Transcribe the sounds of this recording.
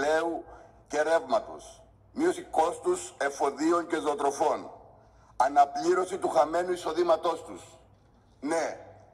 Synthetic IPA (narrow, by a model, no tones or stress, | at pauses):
e̞uce̞ɾe̞vmɐt̪o̰s | mio̞siko̞st̪use̞fo̞ðio̞ɲce̞zot̪ɾo̞fo̞n | ɐnɐpliɾo̞sit̪uxɐme̞nuiso̞ðimɐt̪o̞st̪us | ne